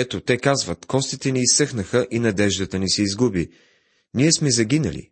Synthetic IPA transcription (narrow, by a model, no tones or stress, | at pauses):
ɛt̪ot̪ɛkazvət̪kɔst̪it̪ɛniːsːɤxnəxəʔinɐd̪ɛʒd̪ət̪ənisɛizɡubi | niɛsmɛzɐɡʲinə̰lḭ